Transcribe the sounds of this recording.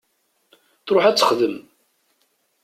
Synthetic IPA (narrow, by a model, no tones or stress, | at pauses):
θɾoħæt͡sːə̥χðəm